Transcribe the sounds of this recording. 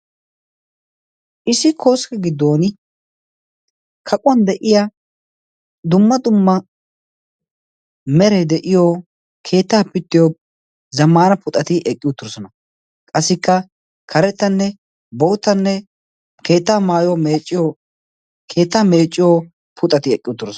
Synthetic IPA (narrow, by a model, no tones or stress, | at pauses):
ʔɪsɪkʰo̞ːskɛɡɪd̪ːo̞ːn | kʰɐkʼʊwɐnd̪ɛʔɪja | d̪ʊmːɐd̪ʊmːɐ | mɛɾɛd̪ɛʔɪjoː | kʰe̞ːt̪ːaːpːɪt̪ːɪjoː | zɐmːaːnɐpʊt̪ʼɐt̪ɪʔɛkʼːɪjut̪ːʊɾɔsɔnɐ | kʼɐsːɪkːɐ | kʰɐɾɛt̪ːɐnːɛ | bowt̪ːɐnːɛ | ke̞ːt̪ːaːmaːjomeːt͡ʃʼːɪjo | kʰe̞ːt̪ːaːme̞ːt͡ʃʼːɪjoː | pʰʊt̪ʼɐt̪ɪɛkʼːɪjʊt̪ːʊɾɔs